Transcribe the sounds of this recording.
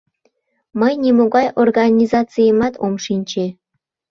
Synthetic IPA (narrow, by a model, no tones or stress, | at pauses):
mɤjnʲemuɡɑjʔorɡɑnʲizɑt̪t͡sɨjəmɑt̪ʰomʂinʲt͡ɕe